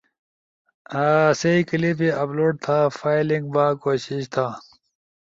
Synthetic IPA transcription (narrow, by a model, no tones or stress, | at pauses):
aːseikilipiɐploʈ̚t̪ʰaːfaːilĩŋɡbaːkoːɕiɕt̪ʰaː